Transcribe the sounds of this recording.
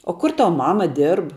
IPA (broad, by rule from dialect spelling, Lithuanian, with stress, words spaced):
oː ˈkʊr ˈtɐw ˈmɑːmɐ ˈdʲɪrp